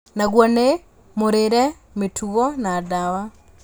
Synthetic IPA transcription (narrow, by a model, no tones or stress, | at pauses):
naɣwɔne | moɾeɾɛ | metʰuɣɔnadawa